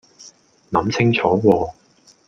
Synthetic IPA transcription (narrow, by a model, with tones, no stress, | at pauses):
nɐ˨˥msɪ˥ŋt͡sʰɔː˨˥wɔː˧